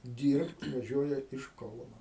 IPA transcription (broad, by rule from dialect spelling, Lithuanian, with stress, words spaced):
ˈdʲiːrpt ʋɐˈʒʲuɔjɛ ɪʃ ˈkɐʊnoː